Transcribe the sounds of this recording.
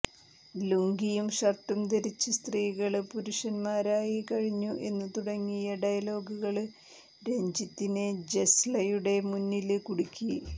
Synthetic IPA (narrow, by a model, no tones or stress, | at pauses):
luŋɡijumɕɐrʈːumt̪eɾit͡ɕːɨst̪riːɣɐɭpuɾuʂɐnmaːɾaːjikɐɻiɲːuʔe̞nːɨt̪uɽɐŋːijɐɖɐjɐlo̞ːɡuɣɐɭ | ɾe̞ɲd͡ʑit̪ːined͡ʑeslɐjuɽe̞munːilkuɽukʲːi